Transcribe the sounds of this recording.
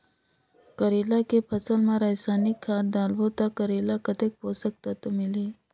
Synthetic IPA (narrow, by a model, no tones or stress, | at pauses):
kɐɾeːlakepʰɐsəlmãɾasaːnikʰːaːd̪aːlbot̪akɐɾeːlakɐt̪ek̚poːsɐk̚t̪at̪omɪleː